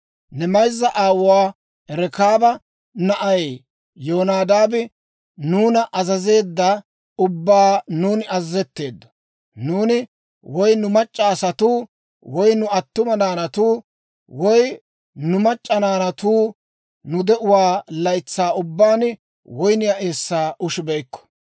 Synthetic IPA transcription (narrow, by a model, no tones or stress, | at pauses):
nɛmɐjzːɐʔaːwʊwaː | ɛɾɛkaːbɐ | nɐʔɐje | joːnaːd̪aːbɪ | nuːnɐʔɐzɐze̞ːd̪ːɐ | ʊbːaːnuːnɪɐzːɛt̪ːe̞ːd̪ːɐ̥ | nuːnɪ | wɔjnʊmɐt͡ʃʼːaːsɐt̪uː | wɔjnʊɐt̪ːʊmɐnaːnɐt̪uː | wɔj | nʊmɐt͡ʃʼːɐnaːnɐt̪uː | nʊd̪ɛʔʊwaːlɐjt͡sːaːʊbːaːn | wɔjnɪjɐʔe̞ːsːaːʔʊʃɪbɛjkːɔ̥